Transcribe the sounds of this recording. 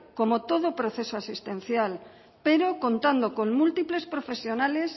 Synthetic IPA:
komot̪oð̞opɾoθesoasist̪ẽn̟θjal | peɾokont̪and̪okoŋmult̪iple̞spɾofesjonales

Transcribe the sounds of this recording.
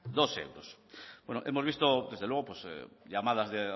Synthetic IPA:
d̪osḛwɾosbwenoʔemozβ̞ist̪od̪ezðelweɣopwesʎamaðazðe

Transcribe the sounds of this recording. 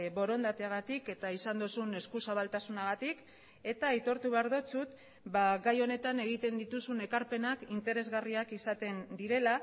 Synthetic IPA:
βo̞ɾo̞nd̪at̪eaɣ̞at̪ike̞t̪aisand̪usune̞skusaβ̞alt̪asunaɣat̪ik | e̞t̪aejt̪o̞ɾt̪uβeaɾðo̞t͡sut̪ | baɣajo̞ne̞t̪ane̞ɣ̞it̪e̞nd̪it̪usune̞kaɾpe̞nakint̪e̞ɾe̞zɣariakisat̪e̞nd̪iɾe̞la

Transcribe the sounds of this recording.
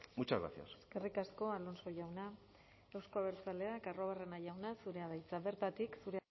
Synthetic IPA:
mut͡ʃaɣɾa̰sia̰seske̞rikasko̞alo̞nso̞ʝawna | ewskoaβe̞ɾt͡sale̞akaro̞β̞are̞naʝawnasuɾe̞aðajt͡saβe̞ɾt̪at̪iksuɾe

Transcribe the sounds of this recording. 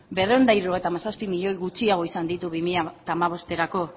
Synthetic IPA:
be̞reond̪aiɾuoe̞jt̪amasaspimiʎo̞jɣut͡ʃiaɣ̞o̞isand̪it̪uβimiʎat̪aːmaβ̞o̞st̪e̞ɾako̞

